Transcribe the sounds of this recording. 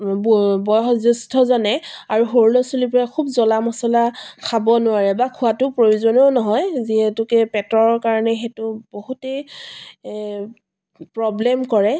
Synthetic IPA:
bɔjɦɔzustʰɔzɔnɛaɹuxoɹulɔsulipɔɹakʰubzɔlamɔsɔlakʰabɔnʊaɹɛbakʰʊatʊpɹojuzɔnonɔɦɔjziɦɛtʊkɛpɛtɔɹɔɹkaɹɔnɛxetʊboɦutej | pɹɔblɛmkɔɹɛ

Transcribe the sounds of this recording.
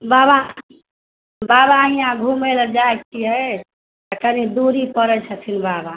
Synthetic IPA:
baba | babaɦijãɡʱumeləd͡ʒaek̚tʰiɦə | t̪əkənid̪uɾipəɾɛt͡ʃʰət̪ʰinbaba

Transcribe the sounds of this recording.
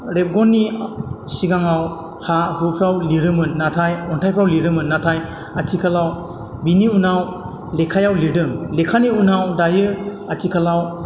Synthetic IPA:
ɾep̚ɡɔnːi | siɡaŋaw | hahupʰɾawliɾɯmɯnːatʰajɔntʰajpʰɾawliɾɯmɯnːatʰaj | atʰikʰalaw | biniunaw | lekʰajawlidɯŋlekʰaniunawdajɯ | atʰikʰalaw

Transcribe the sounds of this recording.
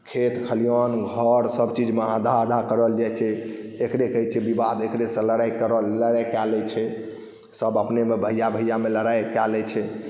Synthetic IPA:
kʰet̪kʰəlijɔnɡʱəɾsəbt͡ʃid͡ʒməɦad̪ʱad̪ʱakəɾəld͡ʒat͡ʃʰɛ | ekɾekəɦit͡ʃʰɛbibad̪ekɾesə̃ləɾajkəɾələɾajkɛlɛt͡ʃʰɛ | səbəpnemebʱəjabʱəjameləɾajkɛlɛt͡ʃʰɛ

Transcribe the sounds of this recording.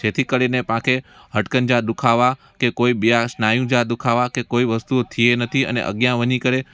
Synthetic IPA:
d͡ʒet̪ʰikəɽinepãkʰe | ɦəʈkənd͡ʒad̪ukʰaʋa | kekoibijaʃnajũd͡ʒad̪ukʰaʋakekoiʋəst̪uot̪ʰienət̪ʰiə̰nḛʔə̰ɡjãʋənikəɾe

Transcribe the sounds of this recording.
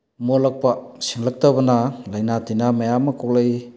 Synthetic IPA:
molak̚pasiŋlak̚tabɐnalɐjnatinamajamakok̚laj

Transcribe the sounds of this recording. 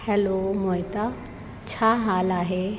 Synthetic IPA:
hɛlomoːjt̪a | t͡ɕʰaːɦaːlaːɦe

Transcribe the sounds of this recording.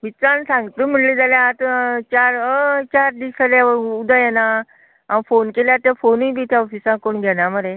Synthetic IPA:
ʋit͡sãnsãŋɡt̪əm̤əɳlid͡zaljat̪ət͡ɕaɾət͡ɕaɾd̪isalaud̪ajɛna | aʋfonkeljat̪jafonũjbit̪ʰjaɔfisãkoɳɡʱɛnaməɾe

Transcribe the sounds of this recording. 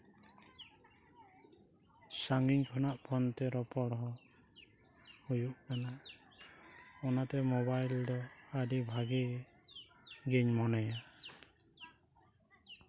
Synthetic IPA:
saŋɡiɲkʰɔnaʔpʰɔnt̪ɛɾɔpɔɽɦɔ | hujuʔkana | ɔnat̪ɛmɔbajldɔaɾibʱaɡi | ɡɛɲmɔnaja

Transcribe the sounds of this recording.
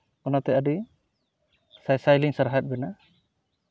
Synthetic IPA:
ɔnat̪ɛʔadi | sajsajliŋsaɾɦat̪̚bɛna

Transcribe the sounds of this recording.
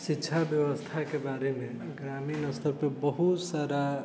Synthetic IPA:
sikːt͡ʃʰabjəbəst̪ʰakebaɾeme | ɡɾaminəst̪əɾpebəɦut̪saɾa

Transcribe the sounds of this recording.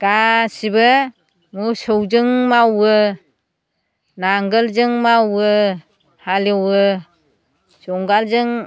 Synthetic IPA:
ɡ̥asibɯ | musɔwd͡ʒɯŋmawɯ | naŋɡɯlzɯŋmawɯ | halɯwɯ | sɔŋɡalzɯŋ

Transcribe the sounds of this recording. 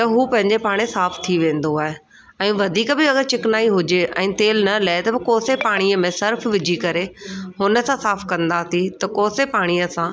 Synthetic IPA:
t̪ɐɦuːpɐ̃ɦɪ̃ɲd͡ʑepaːɽ̃esaːfʰt̪ʰiʋẽːnd̪oaːɦe | ɛ̃ːʋɐd̪ʱiːkbɪɐɡəɾt͡ɕɪknaːiɦʊd͡ʑeʔɛ̃ːt̪eːlnɐlɐet̪ɐbɪkoːsepaːɽ̃iəmẽsɐɾfʋɪd͡ʑʱikɐɾehʊnə̆sãsaːfʰkɐ̃nd̪asit̪ɐkoːsepaːɽ̃ijəsã

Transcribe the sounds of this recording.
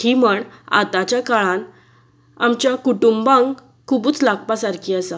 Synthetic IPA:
iməɳa̰t̪at͡ɕjakaɭãn | amt͡ɕjakuʈumbãŋɡ | kʰubuːt͡slaɡ̚pasaɾkʰiːasa

